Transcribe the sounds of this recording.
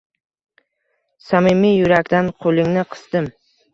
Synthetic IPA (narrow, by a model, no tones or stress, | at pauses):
samɪmijʊɾakʲt̪anqʰolˠɪŋnɪqʰɨ̥sd̪ɪm